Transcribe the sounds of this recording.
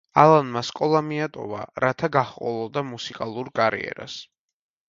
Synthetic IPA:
alˠanmaskʼɔlˠamiat̪ʼɔ̰va̰ɾat̪ʰaɡaχqʼɔ̰lˠɔd̪amusikʼalˠuɾkʼaɾḭɛ̰ɾa̰s

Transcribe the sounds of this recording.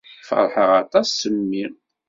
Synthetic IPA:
fə̰ɾˤħəʁɑt̪ˤɑsːəmːi

